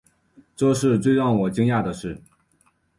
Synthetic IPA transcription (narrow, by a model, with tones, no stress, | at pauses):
ʈ͡ʂɤ˥˧ʂɻ̩˥˧t͡swe˥˧ɪɻɑ˥˩ŋwɔ˨˩t͡ɕi˥ŋja˥˩d̪ə˩ʂɻ̩˥˩